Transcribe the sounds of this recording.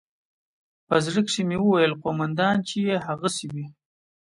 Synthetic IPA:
pazɾəkʂimewəwajəlqomand̪ɑːnt͡ʃejeɦaɣasiwi

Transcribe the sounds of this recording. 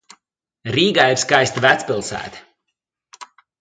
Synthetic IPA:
ɾiːɡaːiɾskajst̪væt̪sʲpilˠsæ̰ːt̪

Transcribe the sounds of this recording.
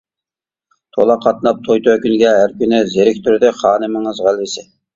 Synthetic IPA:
t̪ʰolˠɑqʰɑt̪̚nɑp̚t̪ʰojt̪ʰøkʲynɡʲɛɦæɾkʲynɪzeɾɪk̚ʲt̪ʰyɾd̪ɪχɑːnɨməŋɨzʁælɪsɪ

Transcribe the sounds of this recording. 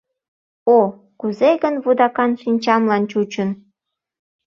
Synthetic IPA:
o | kuzeɣənβud̪ɑkɑnʃinʲt͡ɕɑmlɑnt͡ɕut͡ɕən

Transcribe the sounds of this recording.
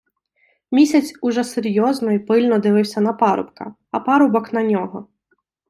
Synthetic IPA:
mʲisʲɐt͡sʲʊʒɛseɾʲjɔznɔjipɪlʲnɔd̪ɪʋɪwsʲɐnɐpɑɾʊ̰pkɐ̰ | ɐpɑɾʊbɔknɐnʲɔɦɔ

